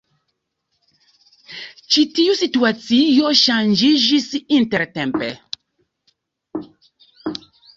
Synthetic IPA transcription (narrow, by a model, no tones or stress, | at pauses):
t͡ʃitijusituasijɔʃãnd͡ʒiʒisiĩntɛɾtɛ̃mpɛ